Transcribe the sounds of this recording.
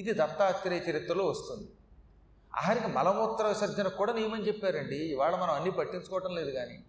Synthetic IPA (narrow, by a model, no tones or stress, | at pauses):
id̪id̪ɐt̪ːaːtːɐɾeːɐt͡ʃɐɾit̪ɾɐloːʋɐst̪und̪i | a̰ːɦɐɾikimɐlɐmut̪ːɐɾɐʋisɐd̪ʱɐnɐkuːɽaːnijɐmɐnit͡ʃepːaːɾɐɳɖiːʋaːɭɐmɐnɐmɐnːipɐʈːiɲt͡ʃu̥kɔːʋɐʈɐmle̞ːd̪uɡaːniː